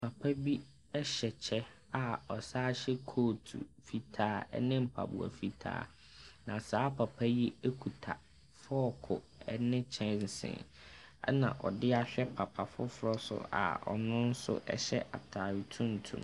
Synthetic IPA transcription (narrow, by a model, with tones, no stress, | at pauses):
pʰa˨pʰa˦bi˦ | ɛ˦ɕɛ˨t͡ɕʰɛ˦ | a˨ɔ˨saː˦ɕɛ˦kʰoː˦˨tʰṵ˨fi˨tʰaː˦ɛ̰˦nɪ̃˦m̩˨pʰa̰˨bʊ̰˨a̰˨fi˦tʰa̰ː˦ | nã˨saː˨˦pʰa˨pʰa˦jɛ˦e˦kʰu˨tʰa˨ | fʊ˦ɔ˨kʰʊ˨ | ɛ˦nɪ̃˦t͡ɕʰɛ̃˦n̩˨sɪ̰̃˨n | ɛ̰˦nã̰˨ʔɔ˨dɪ˦a˦ɕᶣɛ˦pʰa˨pʰa˨fʊ˦fʊ˦ɾɔ˦sʊ̰˦a̰˨ɔ̰˨nʊ̃˦n̩˦sʊ̰˦ʔɛ̰˦ɕɛ̰˦ʔa˨tʰa˨ɾi˨tʰũ˦n̩˨tʰṵ̃˨m